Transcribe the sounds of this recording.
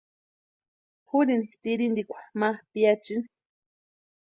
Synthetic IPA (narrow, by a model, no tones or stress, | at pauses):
huninit̪iɾind̪ikʷḁmapiat͡ʃini̥